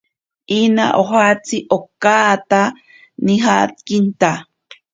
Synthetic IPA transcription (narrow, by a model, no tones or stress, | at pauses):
ʔina̰ʔoɦat͡siʔokat̪a | niɦat̪̚kint̪a